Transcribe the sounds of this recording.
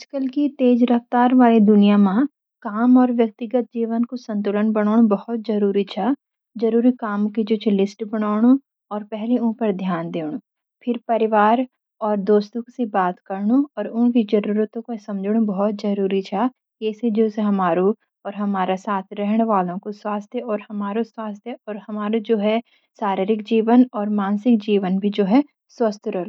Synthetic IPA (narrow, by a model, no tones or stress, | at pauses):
ad͡ʒkəlkit̪eːd͡ʒɾɐft̪aːɾʋaːled̪ʊnijamã | kaːmɔːɾʋjək̚t̪ɪɡət̪̚d͡ʒiːʋənkosɐ̃nt̪ʊlənbɐɽ̃aːɽ̃obɐɦhʊt̪̚zɐɾuːɾit͡ʃʰa | d͡ʒɐɾuːɾikaːmkid͡ʒoːt͡ʃʰelɪsʈbɐɽ̃aːɽ̃u | ɔːɾpɛɦleũːpəɾd̪ʱjaːnd̪eːɽ̃u | pʰɪɾpɐɾɪʋaːɾ | ɔːɾd̪oːst̪õksebaːt̪kɐɾɳuɔːɾʊ̃nkid͡ʒɐɾuːɾət̪õkosɐ̃md͡ʒɽ̃ũbɔɦɔt̪̚zɐɾuːɾit͡ʃʰaː | eːsed͡ʒoːseɦɐmaːɾo | ɔːɾɦɐmaːɾasaːt̪ʰɾɛɦɽ̃eʋaːlõkoswaːst̪ʰjəɔːɾhɐmaːɾoswaːst̪ʰjəʔɔːɾhɐmaːɾod͡ʒoːɦɛ | saːɾɪɾɪkd͡ʒiːʋənɔːɾmaːnsɪk̚d͡ʒiːʋənbʱid͡ʒoːɦɛ | swɐst̪ʰjɾɛlo